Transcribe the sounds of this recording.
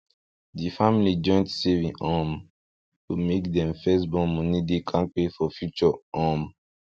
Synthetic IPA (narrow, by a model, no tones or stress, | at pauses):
difamilid͡ʒɔ̃j̃ntsɛvĩŋɔ̃m | tumekdɛ̃mfɛsbɔlmɔ̃nidekʰãnpefɔfjut͡ʃəɔm